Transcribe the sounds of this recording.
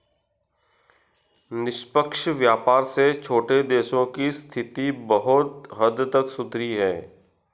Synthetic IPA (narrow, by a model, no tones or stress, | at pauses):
nɪʃpəkʃʋjaːpaːɾset͡ʃʰoːʈed̪eːʃõkist̪ʰɪt̪ibɐɦʊt̪ɦəd̪t̪əksʊt̪ɾiɦɛ̃ː